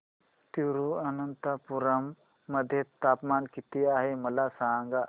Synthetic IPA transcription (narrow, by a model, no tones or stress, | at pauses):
t̪uɾuɐnɐnt̪apuɾɐmː | ɐd̪ʱjɐt̪aːpmaːnkit̪iaːɦemɐlasaːŋɡa